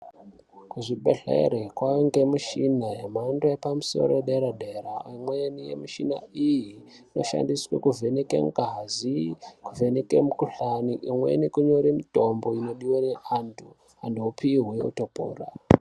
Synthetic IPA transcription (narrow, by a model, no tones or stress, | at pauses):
kuʐibḛɮḛḛɾekwaŋɡe̞muʃinajamandojepamuso̞̰ɾoeɗeɾadʱeɾaimwenijḛmiʃina̰iji | no̞ʃa̰ndiswḛkuvʱe̞nekḛmɡazikuvʱe̞nekemukuɬaniʔimwḛnikuɲo̞ɾimitombo̞ino̞ɗiwaneʔantʰu | andopʰiɦweo̰topo̰ːra̰